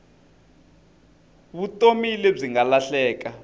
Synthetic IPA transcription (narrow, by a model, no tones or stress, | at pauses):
βutʼomilɛb͡ʐiŋalaɬɛːka